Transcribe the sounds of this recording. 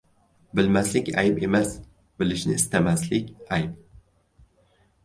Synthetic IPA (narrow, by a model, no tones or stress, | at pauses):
bɪlmaslɪkʲa̰jpe̞mas | bɪlɪʃnɪ̰ːst̪amaslɪkʲajp̚